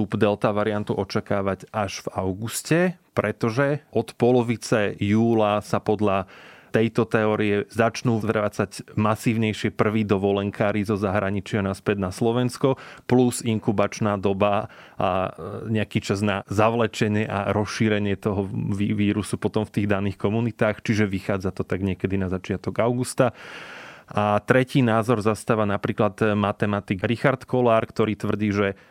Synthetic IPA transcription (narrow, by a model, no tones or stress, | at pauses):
t̪ubd̪ɛlt̪aʋaɾiant̪uʔɔt͡ʃakaːʋaɟʔaʒ̥vaʊɡuscɛpɾɛt̪ɔʒɛʔɔt̪pɔlɔʋit͡sɛjuːlasapɔd̪ʎat̪ɛjt̪ɔt̪ɛɔːɾiɛzat͡ʃnuːɾaːt͡saɟmasiːʊɲɛjʃɪɛpr̩ʋiːd̪ɔʋɔlɛŋkʰaːɾizɔzaɦɾaɲit͡ʃɪanaspɛd̪naslɔʋɛnskɔpluziŋkubat͡ʃnaːd̪ɔbaaɲɛakiːt͡ʃaznazaʋlɛt͡ʃɛɲɪɛʔaɾɔsʃiɾɛɲɪɛt̪ɔɦɔʋiʋiːɾusupɔt̪ɔmft̪iːɣd̪aniːxkɔmunit̪aːxt͡ʃiʒɛʋixaːd͡zat̪ɔt̪aɡɲɪɛkɛd̪inazat͡ʃɪat̪ɔɡaʊɡust̪a | ʔat̪ɾɛciːnaːzɔɾzast̪aːʋanapɾiːklad̪mat̪ɛmat̪iɡɾixaɾt̪kɔlaːɾkt̪ɔɾiːt̪ʋr̩ɟiːʒɛ